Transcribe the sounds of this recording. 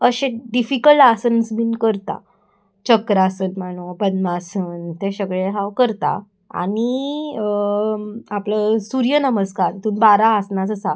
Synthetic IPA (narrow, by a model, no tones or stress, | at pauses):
əɕeɖifikəlasənsmiːnkəɾt̪a̰ | t͡ɕəkɾasəːnmaɽ̃obənmasəːnt̪eɕəɡɭeɦawkəɾt̪a̰ | a̰ɽ̃i | apləsuɾjənəməskaɾt̪uːnbaɾaːsnasəsa